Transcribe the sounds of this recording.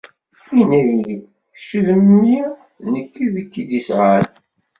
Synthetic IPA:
inæjid̪ | θʃəðəmni | nəkːiðəkːid̪isʁal

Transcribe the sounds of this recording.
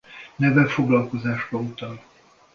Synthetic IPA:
nɛvɛfoɡlɒlko̞zaːʒbɒut̪ɒl

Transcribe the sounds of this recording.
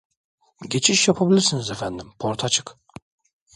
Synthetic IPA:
ɟe̞t͡ʃʰiʃjapʰabilʲiɾsinizefænd̪impʰoɾt̪ʰat͡ʃʰɯ̥k

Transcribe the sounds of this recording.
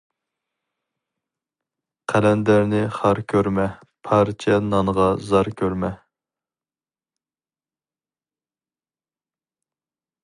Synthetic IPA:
qʰælɛnd̪æɾnɪχɑɾkʲʰøɾmɛ | pʰɑɾt͡ʃʰɛnɑŋəʁɑzɑɾkʲʰøɾmɛ

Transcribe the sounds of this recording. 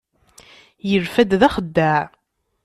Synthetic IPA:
jəlfæd̪ðæχəd̪ːæʕ

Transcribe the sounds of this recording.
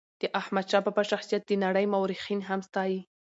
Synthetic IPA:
d̪̥əʔahmad̪ʃɑpapaʃaxsijat̪̚d̪ənaɽəjmawɾixinɦamst̪ɑji

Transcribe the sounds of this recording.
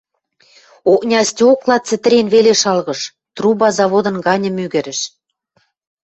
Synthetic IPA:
oknʲɑstʲoklɑt͡sɘ̆t̪ɘ̆ɾʲenβeleʃɑlɣɤ̆ʃ | t̪rubɑzɑβod̪ɤ̆nɡɑnʲə̆myɣɘ̆ɾɘ̆ʃ

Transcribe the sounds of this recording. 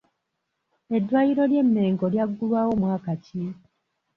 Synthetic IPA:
e̞dːwajiɾo̞lje̞mːe̞ːŋɡo̞ljaɡːulwaːwo̞mwaːkaci

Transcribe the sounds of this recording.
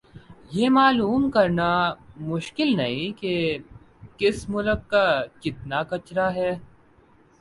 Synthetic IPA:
jeːmaːluːmkɐɾnamʊʃkɪlnɐɦĩke | kɪsmʊləkːat͡ʃɪt̪nakɐt͡ʃɾaɦɛː

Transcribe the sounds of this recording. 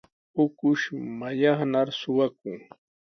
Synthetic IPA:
ʊkʊʃmajɑχnaɾsʊwak̚ʊŋ

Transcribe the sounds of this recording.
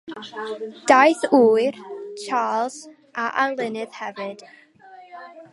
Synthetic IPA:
d̥aɨθuːɨrt͡ʃʰaːlˠz̥ | ʔaʔanlˠɪnɨð̥hɛvɨd̥

